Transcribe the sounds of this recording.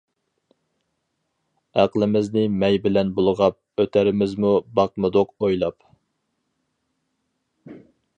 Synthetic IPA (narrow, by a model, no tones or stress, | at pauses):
æqlˠɪmɪznɪmɛjbɪlɛnbolˠəʁɑp̚øt̪ʰæɾɪmɪzmubɑq̚mɨd̪oqojlˠɑp